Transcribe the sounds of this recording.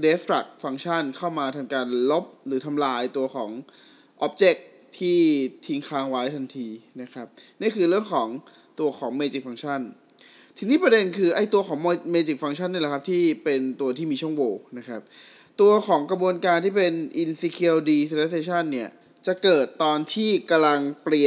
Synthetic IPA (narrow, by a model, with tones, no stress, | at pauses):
de˦˥st̪ʰɾa̰˨˩k̚fa˧ŋt͡ɕʰa˥˩nkʰa˥˩wmaː˧t̪ʰa˧mkaː˧nlo˦˥p̚ɾɯː˩˦t̪ʰa˧mlaː˧jt̪u˧ɐxʰɔː˩˦ŋ | ʔɔ˦˥p̚t͡ɕe˦˥k̚ | t̪ʰiː˥˩t̪ʰi˧ŋkʰaː˦˥ŋwa˦˥jt̪ʰa˧nt̪ʰiː˧na˦˥kʰa˦˥p̚niː˥˩kʰɯː˧ɾɯ˥˩əŋkʰɔː˩˦ŋ | t̪u˧ɐkʰɔː˩˦ŋmeː˧t͡ɕi˨˩k̚fa˧ŋt͡ɕʰa˥˩n | t̪ʰɯ˧ŋniː˥˩pɾa˧de˧nkʰɯː˧ʔa˧˩jt̪u˧ɐkʰɔː˩˦ŋm˧meː˧t͡ɕi˨˩k̚fa˧ŋt͡ɕʰa˥˩nːi˥˩la˩kʰa˦˥p̚t̪ʰiː˥˩pe˧nt̪u˧ɐt̪ʰiː˥˩miː˧t͡ɕʰu˥˩əŋwoː˧na˦˥kʰa˦˥p̚ | t̪u˧ɐkʰɔː˩˦ŋkɾa˧bu˧ənkaː˧nt̪ʰiː˥˩pe˧nʔi˧nsiː˧kʰi˧wdiː˧se˧ɾe˦˥seː˧t͡ɕʰa˥˩nːi˥˩ɐ | t͡ɕa˨˩kɤː˨˩t̪ːɔː˧nt̪ʰiː˥˩ka˧la˧ŋpli˨˩ə